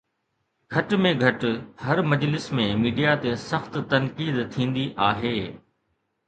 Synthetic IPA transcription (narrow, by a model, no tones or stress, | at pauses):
ɡʱɐʈmẽɡʱɐʈhɐɾmɐd͡ʑlɪsmẽmiːɖijat̪esɐxt̪t̪ɐnkiːd̪t̪ʰĩːn̆d̪iʔaːɦeː